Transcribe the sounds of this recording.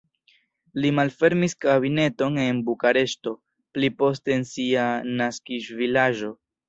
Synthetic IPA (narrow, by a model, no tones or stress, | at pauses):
limalfe̞ɾmiskabine̞to̞ne̞nbukaɾe̞ʃto̞ | plipo̞s̬te̞ːnsianaskiʃvilaʒo̞